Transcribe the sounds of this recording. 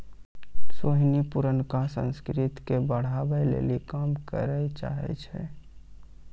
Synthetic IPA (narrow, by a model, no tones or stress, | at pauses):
soɦnipuɾənkasə̰̃nskɾɪt̪kebəɽ̤abəlḛːlikaːmkə̰ɾət͡ʃa̰ɦɛ̰t͡ʃʰɛ̰